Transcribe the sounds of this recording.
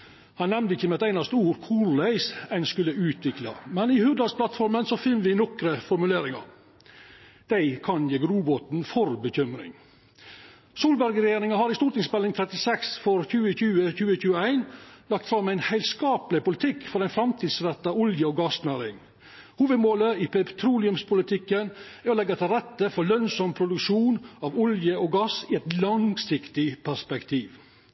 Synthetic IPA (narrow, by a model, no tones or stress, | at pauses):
hɑnːɛmd̪əɪçːəmɛt̪æɪnɑst̪əuːɾkʰuːɾlæɪsæɪnskʉlːəʉːt̪ʰʋɪklɑ̰mɛnɪhʉd̪ɾɑspʰlɑt̪fɔɾmənsɔfɪnːʋɪnɔkɾəfɔɾmʉleːɾɪŋɑ̰ɾ | d̪̥æɪkʰɑnjeːɡɾuːbɔt̪n̩fɔɾbəçʏmɾɪ̰ŋ | suːlbæɾɡɾɛjeːɾɪŋɑhɑɾɪst̪uːɾʈt̪ɪŋspɛlɪŋt̪ʰɾɛt̪ɪsɛksfɔɾçʉːəçʉːəçʉːəçʉːəæɪnlɑk̚t̪fɾɑmæɪnhæɪlskɑːplɪpʊlɪt̪ʰɪkːfɔɾæɪnfɾɑmt̪ʰiːd̪sɾɛt̪ːɑʊljəɔːɡɑsnæɾɪŋ | huːʋəd̪moːləipʰɛt̪ʰɾuːlɪʉmspʰʊlɪt̪ʰɪkːənæɔlɛɡːɑt̪ʰɪlɾɛt̪ːəfɔlœnsɔmpʰɾʊd̪ʉkʂuːnɑʋʊljəɔːɡɑsɪɛt̪lɑŋsɪkt̪ɪpʰæʂpɛkt̪ʰiːʋ